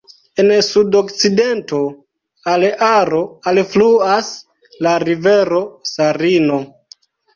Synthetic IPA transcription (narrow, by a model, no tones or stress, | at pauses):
ensudokt͡sidento̞ | alaɾo̞alfluas | laɾiveɾo̞saɾino̞